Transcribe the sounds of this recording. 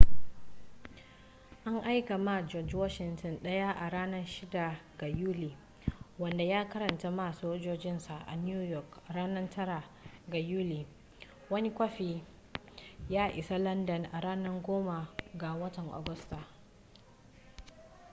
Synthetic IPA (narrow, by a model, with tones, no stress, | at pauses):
ʔa˦ŋʔa˦jka˨ma˦d͡ʒɔ˨d͡ʒwɔ˦ʃɪ˨ntɔ˨nɗɐ˦ja˦ʔa˨ɽaː˦nɐ˦rʃɪ˦da˨ɡa˨juː˦liː˨ | wɐ˨nda˨jaː˦kɐ˦ɾɐ˨nta˦ma˦˨soː˦d͡ʒoː˦d͡ʒɪ˦nsa˨ʔa̰˨njuː˦jɔ˨kɽaː˦nɐ˦tʰɐ˦ɾa˨ | ɡa˨juː˦liː˨ | wɐ˦ni˦kʷɐ˦ɸiː˨ | jaː˦ʔɪ˨sa˦lɐ˦ndɐ˨nʔa˨ɽaː˦nɐ˦rɡʷoː˦ma˨ɡa˨wɐ˦tɐ˨ŋʔa̰˨ɡʊ˦sta˨